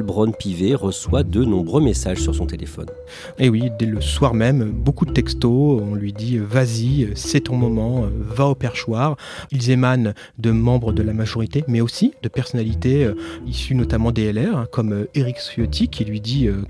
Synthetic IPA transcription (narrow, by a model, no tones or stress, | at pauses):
lbʁɔnpiveʁəswad̪ənɔ̃bʁømesaʒsyʁsɔ̃t̪elḛfɔ̰n | ewid̪ɛləswaʁmɛmøbokud̪ət̪ɛkst̪oɔ̃lɥid̪iøvaziøsɛt̪ɔ̃mɔmɑ̃øvaopɛʁʃwaʁ | ilzeman | d̪əmɑ̃bʁəd̪əlamaʒɔʁit̪emɛosid̪əpɛʁsɔnalit̪eøisynɔt̪amɑ̃d̪eɛlɛʁɛ̃kɔmøeʁiksjɔt̪ʰikʰʲilɥid̪iø